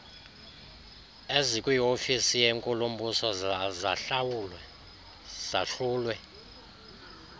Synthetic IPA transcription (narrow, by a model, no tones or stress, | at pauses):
ezikʼwiofisijeŋkʼulumbʱusɔzaɬawulwɛ | z̥aɬuːlwɛ